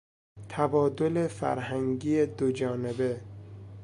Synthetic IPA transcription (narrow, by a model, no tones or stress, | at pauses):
t̪ʰæbɒːd̪o̞lefæ̰ɾhæŋɡiːjed̪od͡ʒɒːne̞be̞